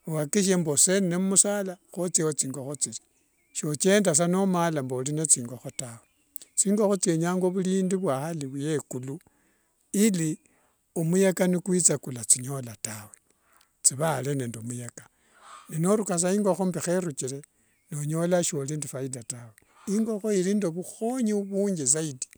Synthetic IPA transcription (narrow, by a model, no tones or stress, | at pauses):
owakiʃ̬embosenneumusaːlaxot͡sewot͡siːŋɡoxot͡sili̥ | ʃot͡ʃeːndas̬anomalambolinet͡siːŋɡaxotawe | t͡siːŋɡoxot͡sjeɲaːŋɡoβuliːndiβwaxaliβuje̞kulu | ili | omujekanikwit͡sakulat͡siɲo̞latawe | t͡siβalene̞ːndomujekḁ | ninoɾukas̬aiːŋɡoxombixeɾut͡ʃile̞ | noɲo̞laʃo̞lindifaidatawe | iŋɡo̞xoilindoβuxoɲiuβuːɲɡez̬aidi̥